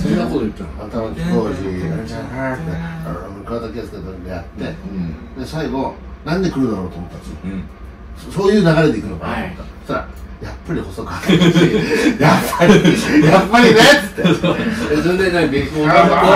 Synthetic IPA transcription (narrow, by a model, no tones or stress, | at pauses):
soeakoot̪ːaat̪amakik̪oːʑid̪a̰t̪ːea̰ɾokɯɾad̪akʲesɨ̥k̪ed̪od̪ea̰t̪ːe̞d̪e̞saiɡo̞ | nãɲd̪ekɯ̟ɾɯ̟d̪aɾo̞ːt̪oːmo̞t̪ːḁ | sosoːjɯ̟ːnaɡaɾe̞d̪e̞ikɯ̟no̞ka̰t̪ | t̪aɾa̰japːaɾʲiho̞so̞kɯ̟at̪ | japːaɾijapːaɾʲineɨ̥t̪ːeezẽndẽnaɡʲeko